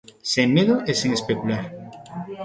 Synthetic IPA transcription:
seŋmeðoʔeseŋespekulaɾ

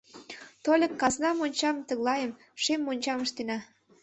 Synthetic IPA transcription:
t̪olʲə̆kːɑznɑmonʲt͡ɕɑmt̪ə̆ɣlɑjəm | ʃemːonʲt͡ɕɑməʃt̪enɑ

